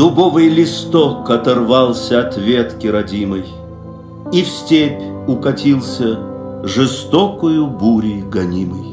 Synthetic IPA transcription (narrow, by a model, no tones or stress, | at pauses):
d̪̥ʊbɔvɨjlʲɪst̪ɔkɐt̪ɐrvɑlˠsʲəɐt̪vʲet̪kʲɪɾɐdʲimɨj | ifsʲtʲepʲʊkɐtʲilˠsʲəʐɨst̪ɔkʊjʊbuɾʲiɡɐnʲimɨj